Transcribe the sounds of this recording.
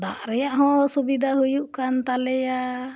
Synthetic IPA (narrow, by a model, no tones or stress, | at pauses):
d̪a̰ʔɾɛjaʔɦɔ̃subid̪aɦujuʔkant̪alɛja